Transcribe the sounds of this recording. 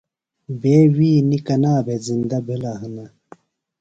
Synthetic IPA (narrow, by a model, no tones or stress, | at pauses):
beːwiːnikɐnaːbezind̪ɐbʱilaɦɐnɐ